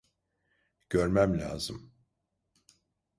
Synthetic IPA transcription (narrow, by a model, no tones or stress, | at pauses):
ɟ̥øɾmæmlʲa̰ːzɯm